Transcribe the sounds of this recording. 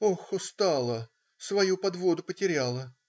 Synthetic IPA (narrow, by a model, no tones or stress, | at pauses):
oxʊst̪ɑlˠə | svɐjupɐd̪vo̞d̪ʊpətʲɪɾʲalˠə